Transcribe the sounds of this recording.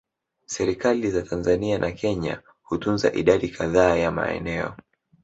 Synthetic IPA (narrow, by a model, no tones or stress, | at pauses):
sɛɾikalizatʰanzanianʔakʰɛɲa̰ | hutunza̰ʔiɗaɗikʰaðaːjama̰ɛ̰nɛɔ̰